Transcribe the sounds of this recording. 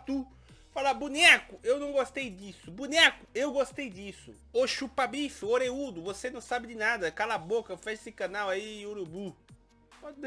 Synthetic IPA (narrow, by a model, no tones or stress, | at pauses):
t̪u | falabunɛkʊewnɐ̃w̃ɡost̪ejd͡ʒisʊbunɛkʊewɡost̪ejd͡ʒisʊ | oʃupabifʊoɾeud̪ʊvosenɐ̃w̃sabɪd͡ʒɪnad̪ɐkalabokɐfɛʃsɪkɐ̃nawaioɾubu | pɔd͡ʒɪ